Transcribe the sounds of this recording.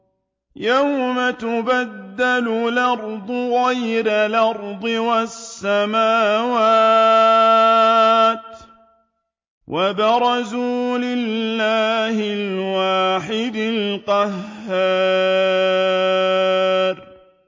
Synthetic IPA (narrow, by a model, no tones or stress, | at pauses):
jawmat̪ʊbad̪ːallʔɑɾˤd̪ˤʊɣajɾalɑɾˤd̪ˤɨwasːamaːwaː | t̪ | wʔabɑɾˤɑzuːlɪllːaːhɪlwaːħɪd̪ɪlqɑɦːaː | ɾ